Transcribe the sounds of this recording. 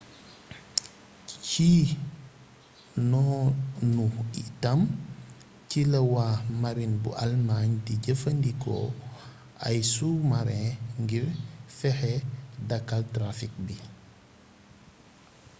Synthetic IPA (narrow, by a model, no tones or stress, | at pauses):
ciː | nɔːnuitam | cilɐwaːmaɾinbṵʔalmaɲdiɟəfəndiko̰ | a̰jsumaɾɛ̃ŋɡiɾfɛhɛdakːaltɾafik̚bi